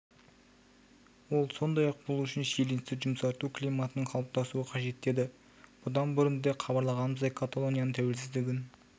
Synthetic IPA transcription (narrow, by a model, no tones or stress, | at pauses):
wo̞lˠso̞nd̪ɑjɑq̚bolˠuʏʃɪnsejlenst̪ɪʒʊmsɑɾt̪uklijmat̪ənəɴqʰɑlˠp̚t̪ɑsuəqʰɑʒe̞t̪ʰːe̞d̪ɪ | b̥ʊd̪ɑnbɪɾɪnd̪eχʰɑbɑɾlˠɑʁɑnəməzɑjkʰat̪olˠo̞nʲijanəɴt̪ʰæwe̞lsɪzd̪ɪɡʲɪn